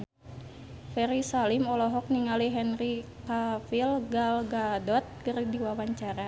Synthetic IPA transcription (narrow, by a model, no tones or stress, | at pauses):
fɛɾisalimɔlɔɦɔk̚niŋaliɦɛnrikafilɡalɡadɔt̪̚kərdiwawaɲt͡ʃaɾa